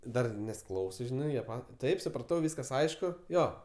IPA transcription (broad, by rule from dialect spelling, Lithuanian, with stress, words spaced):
ˈdɐr nʲɛs ˈklˠɐʊsɜ ˈʒʲɪnɐɪ jiɛ ˈpɐtʲ ˈtɐɪp sʊprɐˈtɐʊ ˈʋʲiːskɐs ˈɐɪʃkʊ ˈjoː